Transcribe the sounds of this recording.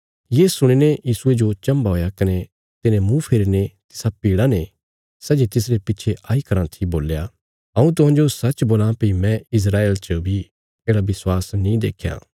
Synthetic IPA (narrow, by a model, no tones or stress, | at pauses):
jeːsʊɽ̃inejiːsʊed͡ʒot͡ʃɐ̃mbaɦoːjakɐne | t̪ɪnẽmũpʰeːɾinet̪ɪ̥sapiːɽane | sɐd͡ʒit̪ɪs̬ɾepɪtːt͡ʃʰeʔaːikɐɾãt̪ʰiboːlja | ɐ̃ũt̪̬ʊɦãːd͡ʒosɐt͡ʃboːlãpimɛ̃ɪs̬ɾaːeːlt͡ʃɐbʱi | eːɽaʋɪswaːsnĩd̪ḛːkʰja̰ː